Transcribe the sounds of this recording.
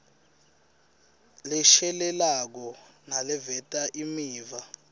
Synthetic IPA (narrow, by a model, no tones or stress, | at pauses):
lɛʃɛlɛlak̬ɔ | nalɛvɛtʼaʔimiːva